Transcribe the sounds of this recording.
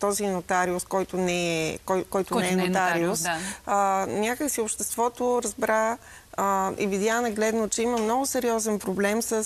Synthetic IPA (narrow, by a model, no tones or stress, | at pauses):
t̪ɔzinot̪aɾiʊskɔjt̪onɛɛkɔjkɔjt̪onɛɛnot̪aɾiʊsənʲakəksiopʃt̪ɛst̪vɔt̪oɾɐzbɾa | ḭvid̪ʲjanɐɡlɛd̪not͡ʃɛiməmnɔɡʊsɛɾiɔzɛnpɾoblɛmsəs